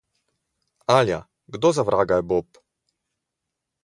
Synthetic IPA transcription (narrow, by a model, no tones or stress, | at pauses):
alʲja̰ | ɡd̪ɔzavɾʔaɡajbɔp